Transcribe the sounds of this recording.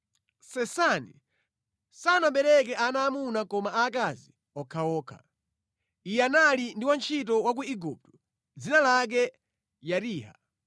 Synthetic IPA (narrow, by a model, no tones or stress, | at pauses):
sɛsanḭ | sanaɓɛɾɛk̬ɛanaːmunakɔmaakazi | ɔkʰaɔːkʰa̰ | ijɛanalindiwant͡ʃʰitɔwak̬uiɡup̚tu̥ | d͡zinalak̬ɛ | jatiːha̰